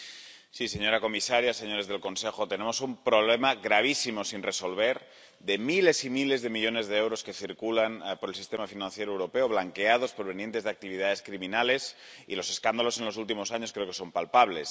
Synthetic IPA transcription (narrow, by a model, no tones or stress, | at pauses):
siseɲo̞ɾako̞misaɾjase̞ɲo̞ɾe̞zð̞e̞lko̞nsexot̪e̞nemo̞sumpɾoβ̞lemaɣɾaβ̞isimosinreso̞lβeɾ | ðemile̞simile̞zðe̞miʎo̞ne̞zðeewɾoske̞θiɾkulanpoɾelsi̥st̪e̞mafinãnθjeɾowɾo̞peoβlaŋkeað̞o̞spoɾβ̞e̞nijent̪e̞zðak̚t̪iβ̞ið̞aðe̞skɾiminale̞s | ḭlo̞se̞skand̪alo̞se̞nlo̞sult̪imo̞saɲoskɾe̞okeso̞mpalpaβ̞le̞s